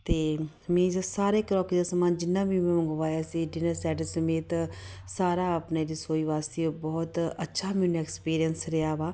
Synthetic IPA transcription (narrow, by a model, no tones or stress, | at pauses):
t̪eː | mẽːd͡ʒasaːɾeːkɾɔːkid̪aːsəmaːnd͡ʒɪnːãːbiːmẽːmə̃ŋɡəʋaːjaːsiːɖɪnəɾsɛːʈəsəmeːt̪saːɾaːəpneːɾɪsoːiːʋaːseobɔːt̪ətːʃʰaːminɛːkspiːɾijənsɾɪjaːʋaː